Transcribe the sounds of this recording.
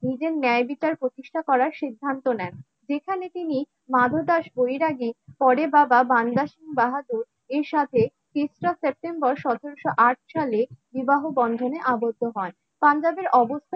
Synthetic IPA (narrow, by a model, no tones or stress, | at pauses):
nid͡ʑeɾnɛebit͡ɕaɾpɾot̪iʃʈʰakɔɾaɾʃid̪ʱːant̪onɛn | d͡ʑekʰanet̪ini | mad̪ʱod̪aʃbojɾaɡipɔɾebababand̪aʃimbaɦad̪uɾ | eɾʃat̪ʰe | t̪esɾasep̚ʈembɔɾʃɔt̪ʰeɾoʃoʔaʈ̚ʰʃalebibaɦobɔnd̪ʱoneʔabod̪ʱːoɦɔn | pand͡ʑabeɾʔɔbost̪ʰa